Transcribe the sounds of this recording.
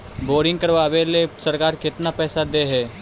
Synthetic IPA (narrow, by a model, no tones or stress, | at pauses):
boːɾɪ̃ŋɡkəɾʋaːʋelesəɾkaːɾkɪt̪napɛːsad̪eːɦɛː